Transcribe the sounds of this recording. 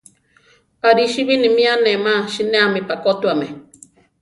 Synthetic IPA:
aɾiʃiβinĩmĩanẽmãʃinẽamĩpakot̪uamɛ̃

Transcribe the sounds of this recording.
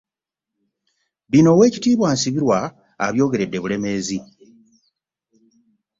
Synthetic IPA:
βino̞we̞ːcitiːβwaːnsiβiɾwa̰ː | βjo̞ːɡe̞ɾe̞dːe̞βule̞me̞ːzi

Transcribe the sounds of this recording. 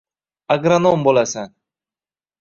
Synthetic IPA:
aɡɾanombolasan

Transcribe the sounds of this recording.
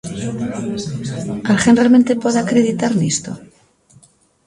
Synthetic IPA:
alxenrealment̪epweðeakɾeðit̪aɾnist̪o̰

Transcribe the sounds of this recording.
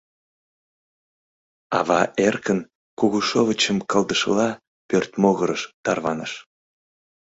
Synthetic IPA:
ɑ̰βɑʔerkən | kuɣuʃovət͡ɕəmkəld̪əʃlɑ | pørt̪moɣəɾəʃt̪ɑrβɑnəʃ

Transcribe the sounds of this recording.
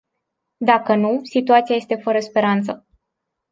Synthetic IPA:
d̪akənusit̪uat̪siaje̞st̪e̞fəɾəspe̞ɾant̪sə

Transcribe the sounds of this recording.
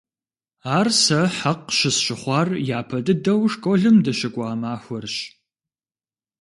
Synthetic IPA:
aːrsɐħaqʃɪsɕɪχʷɑːrjaːpʰɐdɨdɐwʂkʷʼɔɮɨmdɐɕɐkʷʼɑːmaːxʷɔrɕ

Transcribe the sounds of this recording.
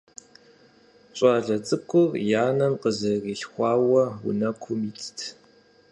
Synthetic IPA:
ɕʷʼɑːɮɐt͡sʼɨkʷʰʊrjaːnɐmqəzɐriːɬxʷɑːwɐwʊ̰nɐkʷʰʊmiːtʰtʰ

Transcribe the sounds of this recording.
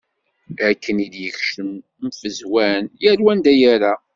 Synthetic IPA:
ækːənid̪jəçʃəm | mfəzwænjæɾwænd̪æjæɾa

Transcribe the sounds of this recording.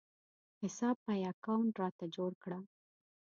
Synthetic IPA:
hɪsɑb̚pajakawɳʈɾɑt̪ad͡ʒoɽkɽa

